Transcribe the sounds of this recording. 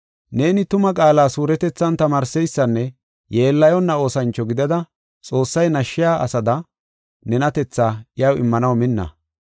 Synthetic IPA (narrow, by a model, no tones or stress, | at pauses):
ne̞ːnɪt̪ʊmɐkʼaːlaːsuːɾɛt̪ɛt͡sːɐnt̪ɐmaːɾsɛjsːɐnːɛ | jeːlːɐjɔnːɐo̞ːsɐnt͡ʃːɔɡɪd̪ɐd̪ɐ | t͡sʼo̞ːsːɐjnɐʃːɪjaːʔɐsɐd̪ɐ | nɛnɐt̪ɛt͡sːaːɪjɐwɪ̰mːɐnɐwmɪnːɐ̰